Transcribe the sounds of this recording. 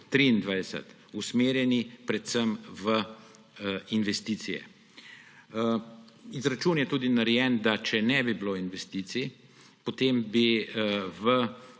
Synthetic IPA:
t̪ɾiind̪ʋajd̪ɛsə̰t̪ | usmeːɾjɛnipɾɛt̪səmʋə | inʋɛst̪iːt̪sijɛ̰ | izɾat͡ʃuːnjɛt̪uːd̪inaɾɛjɛnd̪at͡ʃɛnɛbibiloːinʋɛst̪iːsi | pot̪eːmbi | ʋə

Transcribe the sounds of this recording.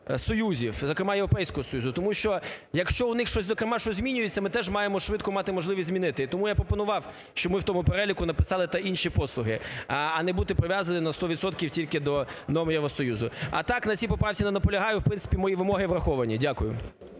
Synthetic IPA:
sɔjuzʲiwzɔkɾemɑjeʋɾɔpɛjsʲkɔɦɔsɔjuzʊt̪ɔmuʃt͡ʃɔjɐkʃt͡ʃɔʊnɪxʃt͡ʃɔsʲzɔkɾemɑʃt͡ʃɔzʲmʲinʲʊjɪt͡sʲːɐmɪt̪ɛʒmɑjemɔʃʋɪt̪kɔmɑt̪ɪmɔʒlˠɪʋʲisʲzʲmʲinɪt̪ɪit̪ɔmujapɾɔpɔnʊʋɑw | ʃt͡ʃɔmɪwt̪ɔmʊpeɾɛlʲikʊnɐpɪ̥sɑlˠɪt̪ɐinʃipɔslˠʊɦɪ̰ɐnɛbut̪ɪpɾɔʋʲjazɐnɪnɐst̪ɔʋʲid̪sɔt̪kʲiwtʲilʲkɪd̪ɔnɔmjɛʋɾɔsɔjuzʊɐ̰t̪ɑknɐt͡sʲipɔpɾɑwt͡sʲinɐnɐpɔlʲɐɦɑjʊwpɾɪnsɪ̥pʲimɔjiʋɪmɔɦɪʋrɐxɔʋɐnʲidʲakʊjʊ

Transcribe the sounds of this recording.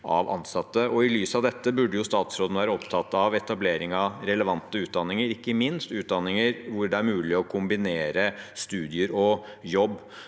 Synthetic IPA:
ʔɑ̰ʋɑ̰nːsɑt̪ːəɔɪlyːsɑʋd̪ɛt̪ːəbʉɖːəjʊst̪ɑːt̪sɾoːd̪nʋæːɾəɔpt̪ʰɑt̪ːɑʋɛt̪ɑbleːɾɪŋɑɾɛləʋɑnt̪ːəʉːt̪̚d̪ɑnːɪŋəɾɪkːəmɪnst̪ʉːt̪̚d̪ɑnːɪŋəɾʋʊɖɛæɾmʉːlɪɔkʰʊmbɪneːɾəst̪ʉːd̪ɪəɾɔjɔbː

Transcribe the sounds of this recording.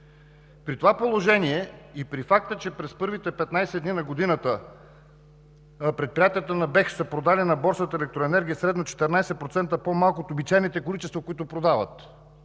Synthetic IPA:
pɾit̪ovapolˠoʒɛniɛipɾifak̚t̪ət͡ʃɛpɾɛspɤɾvit̪ɛpɛt̪najsɛd̪ninɐɡod̪inət̪ə | pɾɛt̪̚pɾijat̪iət̪ənɐbɛxsəpɾod̪alinɐbɔɾsət̪əɛlɛk̚t̪ɾoɛnɛɾɡʲiəsɾɛd̪not͡ʃɛ̥t̪ɛɾnajsɛt̪̚pɾot̪sɛnt̪əpomalˠkot̪obit͡ʃajnit̪ɛkolit͡ʃɛst̪vokoit̪ʊpɾod̪avə̰t̪

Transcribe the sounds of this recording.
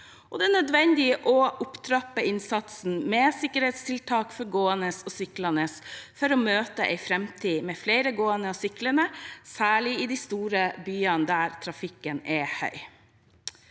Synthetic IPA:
ʔɔd̪ɛænœd̪ʋɛnd̪ɪʔɔʔʊpt̪ʰɾɑpːəɪnsɑt̪sn̩mɛsɪkəɾhɛɪt̪st̪ʰɪlt̪ʰɑːkfɔɾɡoːənəsɔsʏklɑnəsfɔɾɔmøːt̪əʔɛ̰ɪfɾɛmt̪ʰiːmɛfleɪɾəɡoːənəɔsʏkləɳəsæːɭɪɪd̪ist̪uːɾəbyːɑnd̪æɾt̪ʰɾɑfɪkːənɛhœ̰ʏ

